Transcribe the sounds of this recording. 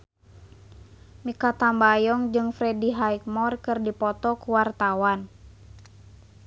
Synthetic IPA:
mikat̪ambajɔŋd͡ʒɨŋfɾɛdiɦaik̚mɔrkɨrdipɔt̪ɔkuwart̪awan

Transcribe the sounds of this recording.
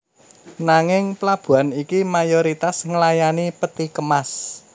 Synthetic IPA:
naŋɪŋplab̥ṳanikimajoɾit̪asŋəlajanipət̪ikəmas

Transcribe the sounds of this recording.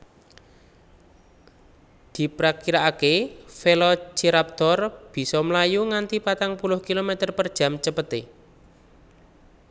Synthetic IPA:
d̪̥i̤pɾakiɾaːkefelɔt͡ʃiɾap̚t̪ɔrb̥i̤sɔmlajuŋant̪ipat̪aŋpulʊhkilomet̪ərpərd̥ʒ̥a̤mt͡ʃəpət̪e

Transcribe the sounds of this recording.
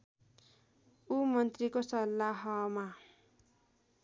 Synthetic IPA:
umʌnt̪rikosʌlːaɦʌma

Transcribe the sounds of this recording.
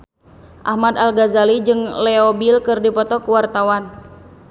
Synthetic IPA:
ʔa̰hmad̪alɡazalid͡ʒɨŋlɛɔbilkɨrdipɔt̪ɔkuwart̪awan

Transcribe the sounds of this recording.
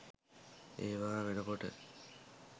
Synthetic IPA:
eːʋaːʋenɐpoʈə̰

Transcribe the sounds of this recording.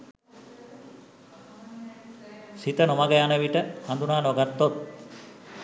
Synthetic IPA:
sit̪ənomaɡəjanəʋiʈəhand̪unaːnoɡat̪ːot̪̚

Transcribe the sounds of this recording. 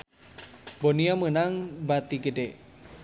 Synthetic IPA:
boniamənaŋbat̪iɡədeʔ

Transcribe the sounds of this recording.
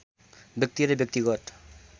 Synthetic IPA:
bjʌk̚t̪iɾebjʌk̚t̪iɡɔʈ

